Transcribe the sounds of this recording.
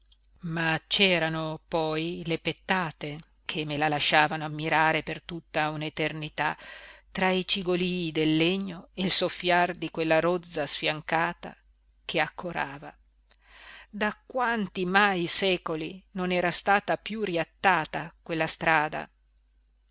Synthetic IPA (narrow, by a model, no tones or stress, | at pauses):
mat͡ʃɛːɾanopɔjlepet̪ːaːt̪e | kʰemːelalaʃːaːvanoamːiɾaːɾepert̪ut̪ːaunet̪ernit̪at̪ɾait͡ʃiɡoliːd̪elːeɲːoelsofːjard̪ikwelːaɾod̪zːasfjaŋkaːt̪a̰ | kʰeakʰːoɾaːva | d̪akwant̪imajsɛːkolinonɛːɾast̪aːt̪apjuriat̪ːaːt̪akwelːast̪ɾaːd̪a̰